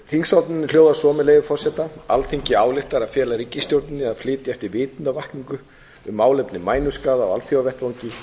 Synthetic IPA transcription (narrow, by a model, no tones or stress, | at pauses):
θiŋsalt̪nɪnːɪl̥joːwðasɔːmɪleːjɣʏfɔrsɛt̪aa̰lθiɲcɪaːwlɪht̪aɾaðfjɛːlaɾicːɪst̪jowɾt̪nɪaðflɪːt̪jɪɛft̪ɪɾvɪːt̪navahkniŋkʏ | ʏmːaːwlɛjpnɪmaːjnʏskaːðaɔ̰a̰lt̪θʰjoavɛht̪vawɲcɪ